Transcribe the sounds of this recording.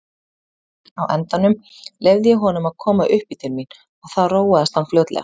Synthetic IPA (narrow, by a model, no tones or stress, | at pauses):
awʔɛnt̪anʏm | lejvðɪjɛɦɔnʏmaðkʰɔːmaʔʏhpit̪ʰɪlmin | aɣθaðroːwaðast̪anfloːwt̪lɛ̰a